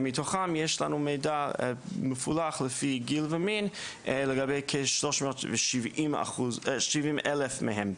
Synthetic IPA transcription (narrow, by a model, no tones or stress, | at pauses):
mɪtʰɔχamjɛʃlˠa̰numeɪdaməfulˠaχlˠəfiːɡilˠvəminlˠəɡabeɪkʰeʃlˠɔʃmotvɪʃivima̰χuzʃivimɛlˠəfmɪ̰ɦɛm